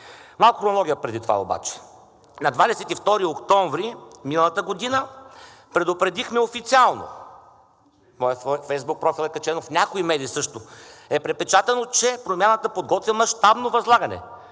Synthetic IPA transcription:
malˠkʊxɾonolˠɔɡʲijəpɾɛd̪it̪ova̰o̰ba̰t͡ʃɛ̥ | nɐd̪vad̪ɛsɛt̪ift̪ɔɾiokt̪ɔɱvɾiminəlˠɐt̪əɡod̪inə | pɾɛd̪opɾɛd̪ixmɛofit̪sialˠno̰ | mɔjəfɛjzbuk̚pɾɔfilˠɛkɐt͡ʃɛnofnʲakoimɛd̪iːsɤʃt̪oɛpɾɛt̪̚pɛt͡ʃat̪ənot͡ʃɛpɾomʲjanət̪əpod̪̚ɡɔt̪vimɐʃt̪abnovɐzlˠaɡɐnɛ̰

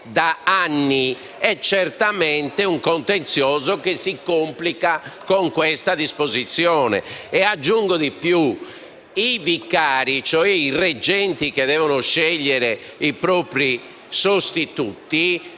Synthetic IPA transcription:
d̪aanːi | ɛt͡ʃːɛrt̪amɛnt̪ɛuŋkɔnt̪ent̪sjɔːzɔkesːikomplikakoŋkwɛst̪ad̪ispozit̪sːjɔːnɛ̰ɛad͡ʒːuŋɡoðipju | ivikːaːɾit͡ʃɔɛirɛd͡ʒɛnt̪ikeðɛːvɔnɔʃɛʎːɛɾɛipɾɔːpɾi | sost̪it̪ut̪i

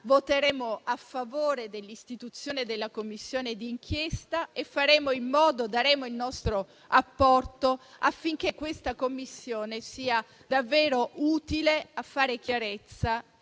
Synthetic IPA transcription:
vot̪eɾɛːmoafːavoːɾed̪elːist̪it̪ut̪sːjoːned̪elːakomːisːjoːned̪iːŋk̟ʰjest̪aefːaɾɛːmoimːɔːd̪od̪aɾɛːmoilnɔst̪ɾo | apːɔrt̪oafːiŋk̟ekːwest̪akomːisːjoːnesiːa | d̪avːɛːɾoʔuːt̪ileafːaːɾek̟jaɾet̪sːa

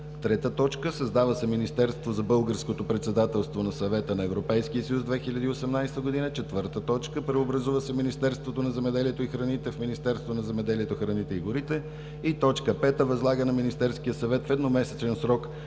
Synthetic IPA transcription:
t̪ɾɛt̪ət̪ɔt͡ʃkəsəzd̪avəsɛminist̪ɛɾst̪vozɐbɤlˠɡəɾskot̪opɾɛt̪sɛd̪at̪ɛlˠst̪vonɐsɐvɛt̪ənɐɛvɾopɛjskiəsəjusd̪vɛxilʲɐd̪iːosɛmnajst̪əɡod̪inət͡ʃɛt̪vɤɾt̪ət̪ɔt͡ʃkəpɾɛobɾɐzuvəsɛminist̪ɛɾst̪vot̪onɐzɛmɛd̪ɛliɛt̪oixɾɐnit̪ɛfminist̪ɛɾst̪vonɐzɛmɛd̪ɛliɛt̪oxɾɐnit̪ɛiɡʊɾit̪ɛ | it̪ɔt͡ʃkəpɛt̪əvɐzlˠaɡənɐminist̪ɛɾsk̟ijəsɐvɛt̪fɛd̪nomɛsɛt͡ʃ̪ɛnsɾɔk

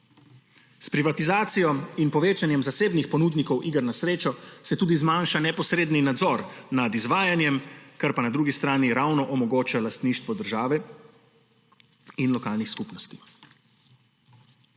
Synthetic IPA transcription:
spɾiʋat̪izaːt̪sijɔinpɔʋeːt͡ʃanjɛmzaseːbnixpɔnuːd̪nikɔwʔiːɡəɾnasɾeːt͡ʃɔsɛt̪uːd̪izmaːnʃanɛpɔsɾeːd̪ninad̪zɔɾnad̪izʋaːjanjɛmkaɾpanad̪ɾuːɡist̪ɾaːniɾawnɔʔɔmɔɡoːt͡ʃalast̪niːʃt̪ʋɔd̪əɾʒaːʋɛ | inlɔkaːlnixskupnɔst̪i̥

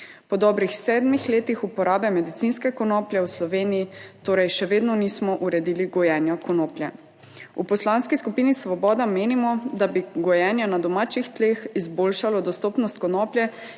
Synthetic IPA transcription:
pɔd̪ɔːbɾixsɛːd̪mixleːt̪ixupɔɾaːbɛmɛd̪it̪sinskɛkɔnɔːplʲjɛwslɔʋeːnijit̪oːɾɛjʃɛʋeːd̪nɔniːsmɔʔuɾɛd̪iːliɡɔjɛːnjɔkɔnoːplʲjɛ | upɔslanskiskupiːnisʋɔbɔːd̪ameːnimɔd̪abiɡɔjɛːnjɔnad̪ɔmaːt͡ʃixt̪leːxizboːlʃalɔd̪ɔst̪oːpnɔst̪̚kɔnɔːpljɛ

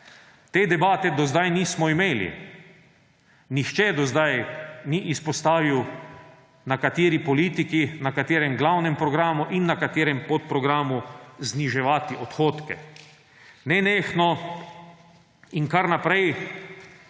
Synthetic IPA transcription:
t̪eːd̪ɛbaːt̪ɛd̪ɔzd̪ajniːsmɔimeːlḭ | nixt͡ʃɛd̪ɔzd̪ajniʔispɔst̪aːʋiw | nakat̪eːɾipɔliːt̪ikinakat̪eːɾɛmɡlawnɛmpɾɔɡɾaːmuʔinːakat̪eːɾɛmpɔt̪̚pɾɔɡɾaːmuzniʒɛʋaːt̪iɔt̪xoːt̪kɛ̰ | nɛneːxnɔ | iŋkaɾnapɾɛj

